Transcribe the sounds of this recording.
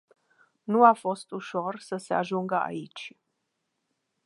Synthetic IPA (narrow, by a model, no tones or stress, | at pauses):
nuafo̞st̪uʃo̞rsəseaʒuŋɡəa̰it͡ʃʲ